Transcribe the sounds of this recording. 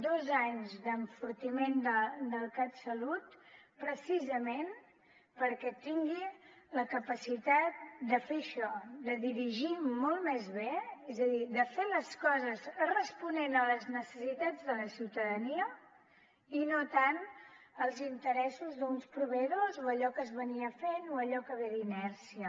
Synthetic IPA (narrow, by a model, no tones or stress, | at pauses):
d̪ozaɲzd̪əɱfuɾt̪imend̪əd̪əlˠkat̪səlut̪pɾəsizəmen | pəɾkɛt̪iŋɡi | ləkəpəsit̪at̪̚d̪əfeʃɔd̪əðiɾiʒimɔlˠt̪mezβeezəðid̪əfeləskɔzəzrəspunenələznəsəsit̪ad͡zðələsiwt̪əðəniə | inot̪anəlˠzint̪əɾɛsuzðunspɾuβəðozoəʎɔkəzβəniəfenoəʎɔkəβeðinɛɾsiə